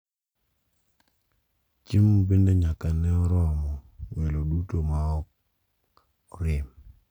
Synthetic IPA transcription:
t͡ʃimobendeɲakanɛɔɾɔmɔwelodutomaɔk̚ | ɔɾɪm

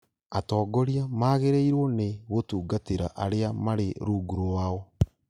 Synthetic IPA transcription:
atɔːɡoɾiamaːɣeɾeiɾwɔneɣotuːɡateɾaʔaɾeamaɾeɾuːɡuɾoɾwaːɔ

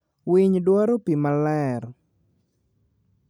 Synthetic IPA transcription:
wiɲdwɔɾopimalɛɾ

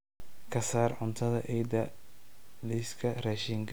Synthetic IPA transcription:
kʰɐsaːrʕʊnt̪ʰɐðɐʔɛjd̪ɐ | liskʰɐrɐːʃiŋkʰɐ

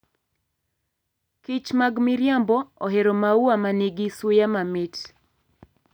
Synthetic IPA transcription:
kɪt͡ʃmaɡmɪɾjambɔɔɦeɾomauwamaneɡisʊjamamɪt

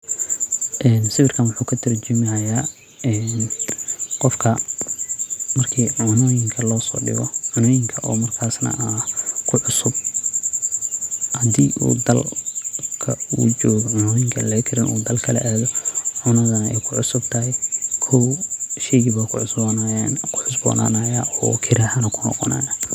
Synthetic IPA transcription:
ʔɛːnsɪβɪrkʰɐnwʊħuːkʰɐt̪ʰɐrt͡ʃɪmɪɐjaː | ɛːn | qɔfkʰɐ | mɐrkʰiːʕʊnɔːjɪŋkʰɐlɔːsɔ̰ːɖɪ̰ɣɔ̰ʕʊnɔːjɪŋkʰɐʔɔːmɐrkʰaːsnɐ̰ʔɐkʰʊʕʊsʊb̚ | hɐd̪iːʔṵːd̪ɐl | kʰɐ̰ṵːt͡ʃɔːɣɔʕʊnɔːjɪŋkʰɐ̰lɛkʰɪɾɪnʔṵːd̪ɐlkʰɐlɛ̰ʔaːðɔʕʊnɐðɐnɛ̰jkʰʊʕʊsʊb̚t̪ʰɐɦɛkʰɔwʃɛjɣɪβakʰʊʕʊsbɔnajɛːnkʰʊ̥ħʊsbɔ̰ːnʔa̰ːnajaʔɔ̰ːkʰɪɾaːħɐnɐkʰʊnɔ̰qɔna̰ːja

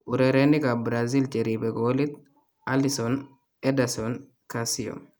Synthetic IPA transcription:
ʔʊɾeɾenːɪkabɾaːzilt͡ʃʼɛɾiːbɛɡoːlɪt̪ | ɐlɪsɔn | ɛd̪ɐsɔn | kasɪjɔ̰m

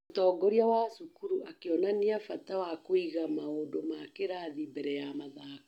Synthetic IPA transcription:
otɔːɡɔɾiawasukuɾuakeɔnaneafatawakoiɣamaodomakeɾaðimbɛɾɛjamaðakḁ

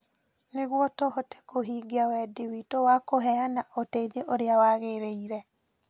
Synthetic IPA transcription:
neɣwɔtɔhɔte̥koɦiːɡeawɛdiwitowakoɦɛanaʔoteiðeʔoɾeawaɣeɾeiɾɛ

